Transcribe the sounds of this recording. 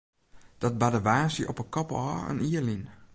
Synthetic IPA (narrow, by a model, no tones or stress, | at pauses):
d̥ɔt̚badəʋaːsəʔɔ̰pəkɔpɔːə̰niəlin